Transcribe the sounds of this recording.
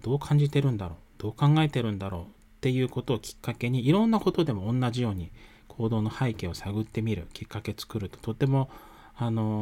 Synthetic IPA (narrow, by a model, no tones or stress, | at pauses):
d̪̥o̞ːkʰãɲ̟d͡ʑit̪e̞ɾɯ̟̃nd̪aɾo̞ːd̪̥o̞ːkãŋɡae̞t̪e̞ɾɯ̟̃nd̪aɾo̞ː | t̪ːe̞jɯ̟ːko̞t̪o̞ːkʲi̥kːake̞ɲ̟iːɾõ̞nːako̞t̪o̞d̪e̞moõnːaʑijo̞ːɲ̟i | kʰo̞ːd̪o̞ːno̞haike̞o̞saɡɯ̟t̪ːe̞mʲiɾɯ̟̰kʲikːake̞t͡sɨ̥kɯ̟ɾɯ̟t̪o̥t̪o̞t̪ːe̞mo̞ | ano̞